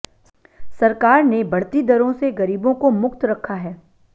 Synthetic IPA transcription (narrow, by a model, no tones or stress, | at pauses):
sɐɾkaːɾnebɐɽt̪id̪ɐɾõseɣɐɾiːbõkomʊkt̪ɾɐkʰːaɦɛː